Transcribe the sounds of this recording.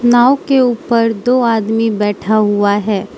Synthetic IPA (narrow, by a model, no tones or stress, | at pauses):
naːokeuːpəɾd̪oːaːd̪mibɛːʈʰaɦʊaɦɛː